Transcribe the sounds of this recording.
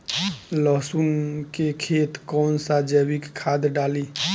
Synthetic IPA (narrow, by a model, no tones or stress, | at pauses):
ləsunkekʰet̪kɔnsad͡ʒəbikkʰːad̪ɖali